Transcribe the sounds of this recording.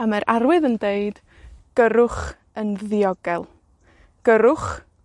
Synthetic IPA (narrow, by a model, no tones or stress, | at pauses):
amaɾʔarwɨðəndeɨd̥ | ɡ̥əɾʊχ | ənðiɔɡɛlˠ | ɡ̥əɾʊχ